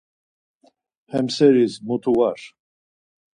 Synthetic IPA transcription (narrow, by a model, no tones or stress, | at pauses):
hɛmsɛɾizmut̪ʰuwaɾ